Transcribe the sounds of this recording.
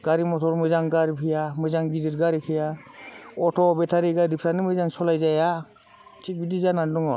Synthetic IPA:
ɡ̥aɾimɔtʰɔɾmɯjzaŋɡaɾipʰijamɯjzaŋɡidiɾɡaɾipʰija | ɔtʰɔbɛtʰaɾiɡadipʰɾanɯmɯjzaŋsɔlajzaja | tʰik̚bidizanandɔŋɔ

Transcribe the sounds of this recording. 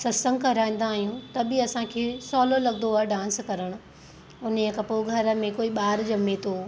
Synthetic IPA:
sɐsə̃ŋɡkɐɾaːĩːn̆d̪aːɦijũt̪ɐbɪɐsãkʰeːsɔːlolɐɠnd̪oaːɖãːnskɐɾəɽ̃ʊ̆ | ʊnekɐpoɡʱɐɾə̆mẽkoːiɓaːɾd͡ʑɐmet̪ʰoː

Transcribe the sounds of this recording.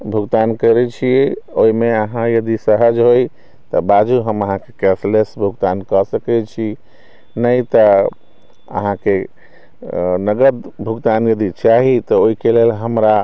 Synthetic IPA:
bʱuɡt̪ankəɾɛt͡ʃʰiɛoimeəɦãjəd̪isəɦəd͡ʒɦoj | t̪ɔbad͡ʒuɦəməɦãkekɛslesbʱuɡt̪ankəsəkɛt͡ʃʰi | nəjt̪ɔ | ə̰ɦãke | nəɡəd̪bʱuɡt̪anjəd̪it͡ʃaɦit̪ɔoikelelɦəmɾa

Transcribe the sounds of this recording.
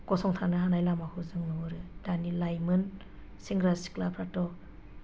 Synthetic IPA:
kɔsɔŋtʰanɯɦanajlamakʰuzɯŋnɔɾɯd̥anilajmɯn | siŋɡɾasi̥klapʰɾatɔ

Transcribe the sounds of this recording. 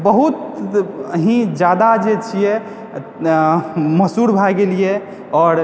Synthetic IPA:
bəɦut̪əɦĩd͡ʒjad̪ad͡ʒet͡ʃʰijɛ | məsuɾbʱaɡelije | ɔːɾ

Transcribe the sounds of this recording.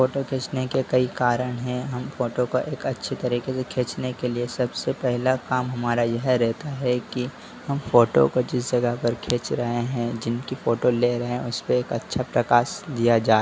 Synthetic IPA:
foːʈokʰeːt͡ʃnekekɐikaːɾəɽ̃ɦɛ̃ɦɐmfoːʈokoʔeːkɐtːʃʰet̪ɐɾiːkesekʰeːt͡ʃnekeliesɐbsepɛɦlakaːmɦɐmaːɾajɛɦɛɾɛɦt̪aɦɛki | hɐmfoːʈo̰kod͡ʒɪs̬d͡ʒɐɡəɦpɐɾkʰeːt͡ʃɾɐɦeɦɛ̃d͡ʒɪnkifoːʈoleɾɐɦẽɛ̃ʊspeeːkɐtːʃʰapɾɐkaːʃd̪ijad͡ʒaːe

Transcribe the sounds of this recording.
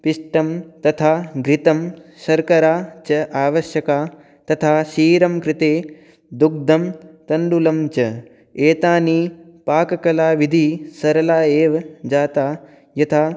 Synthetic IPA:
piʂʈɐmt̪ɐt̪ʰaːɡɾit̪ɐmʃɐɾkɐɾaːt͡ʃɐʔaːʋɐʃjɐkaː | t̪ɐt̪ʰaːʃiːɾɐmkɾɪt̪eː | d̪uk̚d̪ʱɐmt̪ɐɳɖulɐmt͡ʃɐ | eːt̪aːniːpaːkɐkɐlaːʋid̪ʱisɐɾɐlaːeːʋɐd͡ʒaːt̪aː | jɐt̪ʰaː

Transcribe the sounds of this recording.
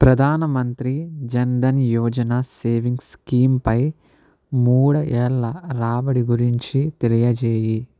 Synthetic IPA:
pɾɐd̪ʱaːnɐmɐnt̪ɾid͡ʒɐnd̪ɐnjɔːd͡ʒɐnaseːʋiŋɡskiːmpɐj | muːɽɐʔɛlːɐɾaːbɐɽiɡuɾiɲt͡ʃit̪elijɐd͡ʒeːji

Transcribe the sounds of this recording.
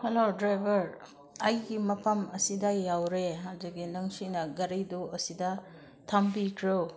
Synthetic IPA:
helodɾajbʱɐɾ | ɐjɡimɐpʰɐmɐsidɐjawɾeɦawziɡinɐŋsinɐɡɐɾɐjduɐsidɐ | tʰambikʰɾew

